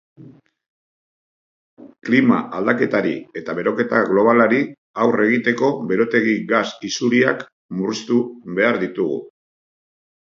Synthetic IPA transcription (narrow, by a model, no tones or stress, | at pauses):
klima̰ald̪ake̞t̪aɾḭe̞t̪aβe̞ɾo̞ke̞t̪aɣlo̞β̞alaɾi | awre̞ɣ̞it̪e̞ko̞βe̞ɾo̞t̪e̞ɣiɣasisuɾiak | murist̪uβe̞aɾðit̪uɣṵ